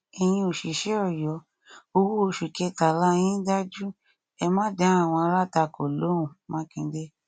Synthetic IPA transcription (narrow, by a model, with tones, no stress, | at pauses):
i˧j̃ĩ˧o˨ʃi˨˦ʃɛ˦ɔ˦˨jɔ˨˦ | o˧wo˦o˧˨ʃu˨kɛ˧ta˨la˦˧j̃ĩ˦da˦d͡ʒu˦ | ɛ˧mã˦dã˨˦a˦˨w̃ɔ̃˧a˧ɾa˦˨ta˧˨ko˨lo˨˦ũ˨mã˦kĩ˧˦de˦